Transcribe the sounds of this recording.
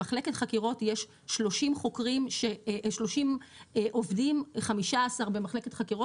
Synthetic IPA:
aχle̞ketχakiʁo̞tjeʃː | lo̞ʃimχo̞kʁimʃe̞ʃlo̞ʃimʔovdimχamiʃaːsaʁbe̞maχle̞ketχakiʁot

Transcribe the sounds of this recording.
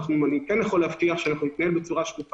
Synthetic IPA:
χnuanikɛnjaχoleːvt̪iaχʃeanaχnunit̪naɦe̞lbet͡suʁaʃlut

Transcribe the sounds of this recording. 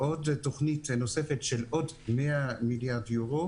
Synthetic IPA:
ʔodtoχnitnose̞fetʃelo̞d | meamiljaʁdjuʁo

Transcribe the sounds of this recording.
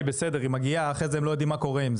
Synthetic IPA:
besed̪eʁimaɡiaːχezeemlojod̪imako̞ʁeimz

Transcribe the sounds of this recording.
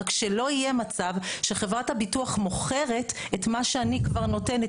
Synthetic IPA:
kʃelo̞ijemat͡savʃeχevʁathabituaχmo̞χe̞ʁe̞tetmaʃeanikvaʁno̞te̞ne

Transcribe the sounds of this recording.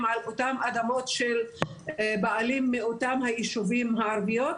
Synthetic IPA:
malʔotamʔad̪amo̞t̪ʃel | baalimːeotamhajiʃuvimɦaaɾvijot

